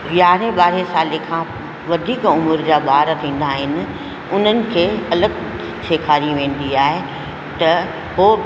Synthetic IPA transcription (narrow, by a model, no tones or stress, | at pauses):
jaːɾẽɓaːɾesaːlekʰãː | ʋɐd̪ʱiːkʊmʊɾd͡ʑaːbaːɾt̪ʰĩːn̆d̪aɦɪnɪ̆ | ʊn̤ənɪ̆kʰeːɐləɡ | sʰeːkʰaːɾiʋẽːn̆d̪iaːɦe | t̪ɐ | ɦoː